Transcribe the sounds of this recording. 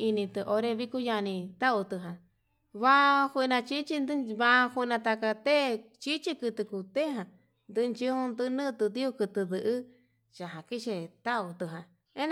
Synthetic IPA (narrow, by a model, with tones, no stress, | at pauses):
i˧nĩ˧t̪ɨ˧ʔo˧ɾe˧βi˦ku˦ja˧nĩ˧t̪a˦u˧t̪ɨ˧ɦã˨ | βa˦˧hʷi˧nã˧t͡ʃi˦t͡ʃi˧nd̪βã˧hu˧nã˧t̪a˧ka˧t̪e˦t͡ʃi˦t͡ʃi˦kɨ˧t̪ɨ˧ku˧t̪e˦ɦã˧ | nd̪ɨ˧nt͡ʃi˦hũ˧nd̪ɨ˦˧nɨ̃˦˧t̪ɨ˧d̪i˦u˧kɨ˧t̪ɨ˧dðɨ˧ʔɨ˦ | t͡ʃa˨ɦã˨ki˦t͡ʃe˧t̪a˦u˧t̪ɨ˧ɦã˨˧ | ẽ˦n